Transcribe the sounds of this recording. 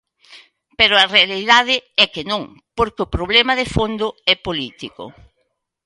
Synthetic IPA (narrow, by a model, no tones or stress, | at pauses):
pɛɾʊɐrealiðaðɪɛkenõŋ | poɾkeʊpɾoβ̞lɛmɐðefond̪ʊɛpolit̪iko̰